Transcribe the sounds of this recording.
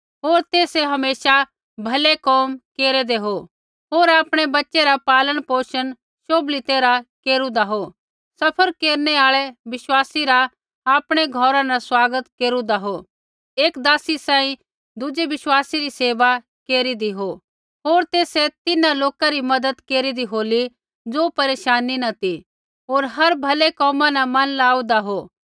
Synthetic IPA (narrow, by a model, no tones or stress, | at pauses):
ɦoːɾt̪eːseɦɐmeːʃa | bʱɐlekɔːmkeːɾɛd̪eɦo | ɦoːɾaːpɽ̃ebɐtːʃeɾapaːləɽ̃poːʃən | ʃoːblit̪eːɾakeːɾũd̪aɦo | sɐpʰəɾkeːɾneaːɭɛʋɪʃwaːsiɾa | aːpɽ̃eɡʱɔːɾãnaswaːɡət̪keːɾũd̪aɦo | eːkd̪aːsisãːĩ | d̪ʊd͡ʒeʋɪʃwaːsiɾiseːʋa | keːɾid̪iɦo | ɦoːɾt̪eːset̪ɪnaloːkaɾimɐd̪əd̪keːɾid̪iɦoːli | d͡zoːpɐɾeːʃaːninɐt̪i | ɦoːɾɦɐɾbʱɐlekɔːmãnamɐnlaːũd̪aɦoː